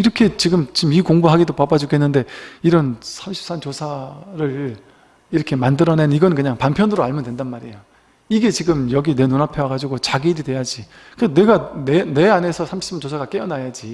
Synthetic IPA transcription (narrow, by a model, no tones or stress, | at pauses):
iɾʌkʰe̞t͡ɕiɡɯmt͡ɕimikoŋbuɦaɡidopabad͡ʑukʰe̞nːɯnde̞iɾʌnsʰamɕʰi̥ps͈ant͡ɕosʰaɾɯɭ | iɾʌkʰe̞mandɯɾʌnenniɡʌnɯnkɯɲaŋpampʰjʌnɯɾoaɭmʌndwendanmaɾejo | iɡe̞t͡ɕiɡɯmjʌɡine̞nonapʰewaɡad͡ʑiɡot͡ɕaɡiɾidwe̞jad͡ʑi | kɯne̞ɡanene̞ane̞sʰʌsʰamɕʰipsant͡ɕosʰaɡak͈eʌnajad͡ʑi